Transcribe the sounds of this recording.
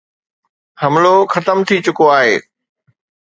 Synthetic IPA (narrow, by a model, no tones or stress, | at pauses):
hɐmloxɐt̪əmt̪ʰit͡ɕʊkoaːɦeː